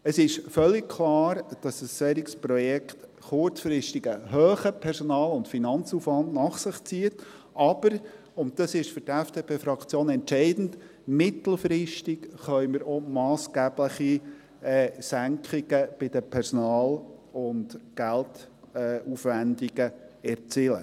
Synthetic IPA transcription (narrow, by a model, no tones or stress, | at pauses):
əsɪʃfœlːik̚kʰlɑːɾd̥ɑsəsːɛːɾikspɾɔjɛkχt | χʊɾt͡sfɾɪʃtiɡəɦøːχəpʰɛɾsɔnɑːlʊntfinɑnt͡sufʋɑndnɑχsɪχt͡siət | ʔɑb̥əɾ | ʊnt̚d̥̪ɑsɪʃfʏɾtɛfd̥eːpʰeːfɾɑkt͡sjoːnɛntʃɛɪdn̩d | mɪt̪l̩ˠfɾɪʃtɪkχœʏməɾɔmɑːsɡ̥æːb̥ləχi | ɛsæŋkχiɡ̥əb̥ɪdəpʰɛɾsɔnɑːlʊntɡ̥æltː | ufʋændiɡəɛɾt͡siːlə̰